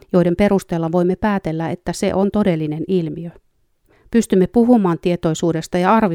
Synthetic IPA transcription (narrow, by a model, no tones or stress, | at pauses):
joide̞mpe̞ɾust̪eːlːɑʋo̞imːepæːt̪e̞lːæe̞t̪ːæse̞̰ʔo̞nt̪o̞de̞lːine̞nilmiø | pyst̪ymːepuɦumɑːnt̪iet̪o̞jsuːde̞st̪ɑjɑɑrʋi